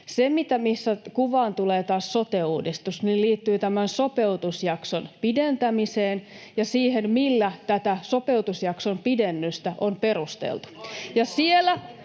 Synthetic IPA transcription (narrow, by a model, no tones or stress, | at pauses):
semit̪æmisːækuʋɑːnt̪uleːt̪ɑːssot̪euːdist̪usnilliːt̪ːyːt̪æmænsopeut̪usjɑksonpident̪æmiseːn | jɑsiːhenmilːæt̪æt̪æsopewt̪usjɑksompidenːyst̪æʔomperust̪ḛlt̪u̥jɑsielæ